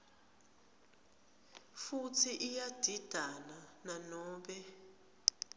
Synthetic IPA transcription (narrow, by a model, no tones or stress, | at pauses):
futʰiʔijad̥ʱid̥ʱanananɔːɓɛ